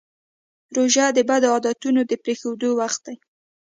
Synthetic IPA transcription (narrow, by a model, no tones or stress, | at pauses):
ɾoʒad̪əbad̪oɑd̪ɑt̪unod̪əpɾexewd̪owaxt̪̚d̪aj